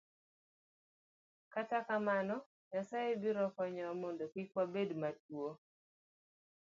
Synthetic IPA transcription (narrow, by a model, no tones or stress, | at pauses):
katakamanɔ | ɲasajebiɾɔkɔɲɔmondokikwabedmat̚wo